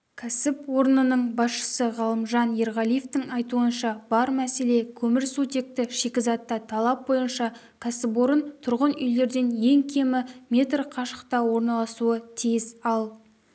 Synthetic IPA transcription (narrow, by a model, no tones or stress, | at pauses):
kʲʰæsɪpwo̞ɾənənəɴbɑsʃə̥səʁɑlˠəmʒɑnje̞ɾʁɑlˠije̞ft̪ɪŋɑjt̪uənʃɑb̥ɑɾmæse̞le̞kʲʰɵmɪɾsut̪e̞k̚t̪ɪʃekʲɪzɑt̪ːɑt̪ʰɑlˠɑp̚bo̞jənʃɑ | kʲʰæsɪpwo̞ɾənt̪ʰʊɾʁənʏ̰jle̞ɾd̪e̞nje̞ŋkʲʰe̞mɪmʲe̞t̪rqʰɑʃə̥qt̪ɑwo̞ɾnɑlˠɑsuət̪ʰijɪsɑlˠ